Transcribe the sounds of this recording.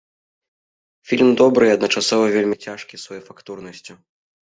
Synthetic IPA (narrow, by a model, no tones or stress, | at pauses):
fʲilʲmd̪ɔbɾɨɐd̪nɐt͡ʂasɔvɐvʲelʲmʲit͡sʲaʂkʲisvajɛfakt̪urnɐsʲt͡sʲu